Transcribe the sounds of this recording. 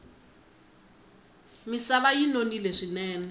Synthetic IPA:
misaβajinonileʂinɛːnɛ

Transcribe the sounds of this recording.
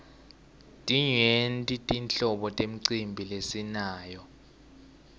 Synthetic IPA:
tʼiɲentʼitʼint͡ɬɔɓɔtʼem̩ǀimbʱilesinaːjɔ

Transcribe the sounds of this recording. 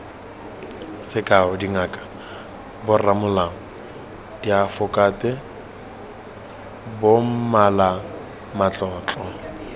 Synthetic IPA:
sɪkʼaʊdiŋakʼḁ | bʊramʊlaŋ̩ | diafʊkʼatʼɛ | bom̩mala | mat͡ɬʼɔːt͡ɬʼɔ

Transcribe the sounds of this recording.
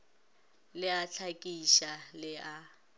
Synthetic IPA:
lɪat͡ɬʰakʼiʃalɪa

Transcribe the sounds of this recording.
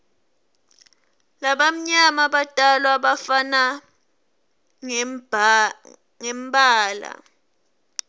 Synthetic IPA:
laɓam̩ɲamaɓatʼalwaɓafana | ŋ | ŋɛmbʱaːla̰

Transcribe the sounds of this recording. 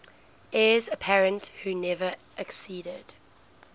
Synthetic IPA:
ʔɛːzəpʰɛɹə̃nthuːnɛvə | ʔɛksiːdəd̥

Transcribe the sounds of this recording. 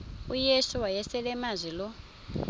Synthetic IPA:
ujesuwajɛsɛlɛmazʷilɔ

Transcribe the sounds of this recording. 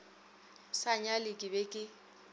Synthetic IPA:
saɲalɪkʼɪbekʼɪ

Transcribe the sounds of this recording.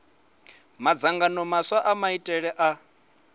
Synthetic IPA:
mad͡zaŋɡanɔmaswaʔamaitʼɛɺɛʔa

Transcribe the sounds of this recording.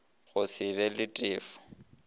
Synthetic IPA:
ɣʊsɪβɛlɪtʼɪːfʊ̥

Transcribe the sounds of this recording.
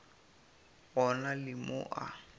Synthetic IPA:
ɣɔnalɪmʊ̰ʔa̰

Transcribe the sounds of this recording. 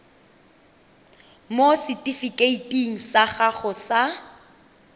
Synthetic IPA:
mosɪtʼifikʼeitʼiŋ̩saχaχʊsa

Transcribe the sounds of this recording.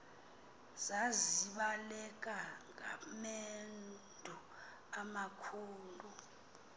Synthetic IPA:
zaziɓalɛk̬ʼaŋa̰men | dʱu | amakʰuːlu

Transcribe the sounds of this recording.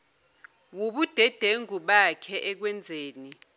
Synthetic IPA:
wuɓud̥ʱɛd̥ʱeŋuɓakʰɛʔɛk̬wɛnd͡zʱeːni

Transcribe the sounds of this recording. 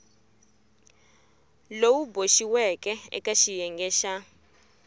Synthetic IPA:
lowuboʃiwɛkɛɛ̰kaʃijɛŋɡɛːʃa

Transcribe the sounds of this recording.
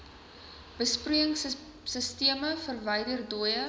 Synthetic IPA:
b̥əspruəŋs | səstiəməfərvɐjdərduəjə

